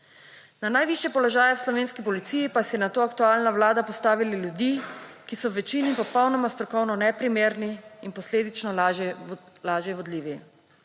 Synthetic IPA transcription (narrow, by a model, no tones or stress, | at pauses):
nanajʋiʃjɛpɔlɔʒaːjɛwslɔʋeːnskipɔlit̪siːjipasɛɛnat̪oːak̚t̪uaːlnaʋlaːd̪apɔst̪aːʋililjud̪ikisɔwʋɛt͡ʃinipɔpɔwnɔmast̪ɾɔkɔwnɔnɛpɾimeːɾniinpɔsleːd̪it͡ʃnɔɛ | laːʒjɛʋɔd̪liːʋi